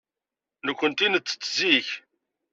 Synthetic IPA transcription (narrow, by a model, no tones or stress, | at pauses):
nəkʷːənt̪inət͡sːə̥t͡sːziç